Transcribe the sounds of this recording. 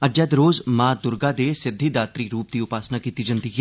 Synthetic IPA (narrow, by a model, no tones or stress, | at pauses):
əd͡ʒəd̪ɾoːzmaːd̪ʊɾɡaːd̪eːsɪd̪ʱːiːd̪aːt̪ɾiːɾuːp̚d̪iːʊpaːsnaːkiːt̪iːd͡ʒə̃nd̪iːɦ